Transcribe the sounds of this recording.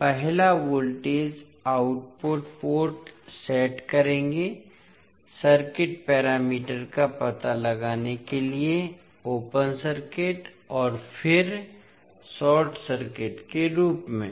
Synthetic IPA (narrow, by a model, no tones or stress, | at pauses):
pɛɦlaʋoːlʈeːd͡ʒ | aːʊʈpoːʈpoːɾʈsɛːʈkɐɾẽːŋɡe | səɾkɪʈ̚pɛːɾaːmiːʈəɾkapɐt̪alɐɡaːnekelie | oːpənsəɾkɪʈ | ɔːɾfɪɾ | sɔːʈsəɾkɪʈkeɾuːpmẽː